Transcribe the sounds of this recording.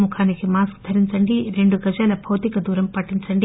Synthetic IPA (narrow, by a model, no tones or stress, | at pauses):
mukʰaːnikimaːskd̪ʱɐɾiɲt͡ʃɐɳɖiɾe̞ɳɖuɡɐd͡ʒaːlɐbʱɐwt̪ikɐd̪uːɾɐmpɐʈːiɲt͡ʃɐɳɖi